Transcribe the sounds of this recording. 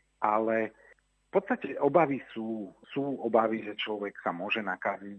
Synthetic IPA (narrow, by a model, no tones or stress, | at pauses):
ʔalɛ | fpɔt̪st̪acɛʔɔbaʋisuːsuːɔbaʋiʒɛt͡ʃlɔʋɛksamʊɔʒɛnakazi